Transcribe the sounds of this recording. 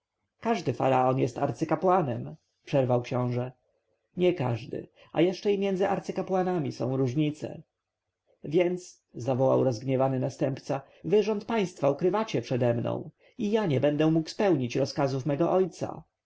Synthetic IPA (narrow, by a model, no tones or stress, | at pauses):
kaʐd̪ɘfa̰ɾaɔnjɛst̪aɾt̪sɘkapwanɛm | pʂɛɾvawkɕɔ̃w̃ʐɛ | ɲɛka̰ʐd̪ɘ̰ | a̰jɛʂt͡ʂɛimʲjɛnd̪zɘʔaɾt̪sɘkapwanamʲisɔ̰̃w̃ɾuʐɲit̪sɛ̰ | vʲjɛnt̪s | zavɔwa̰wɾɔzɡɲɛvanɘnast̪ɛmpt̪sa | vɘʐɔnt̪̚paj̃st̪faukɾɘvat͡ɕɛpʂɛd̪ɛmnɔ̰̃w̃ | ijaɲɛbɛnd̪ɛmukwspɛwɲit͡ɕɾɔskazufmɛɡɔʔɔjt̪sa̰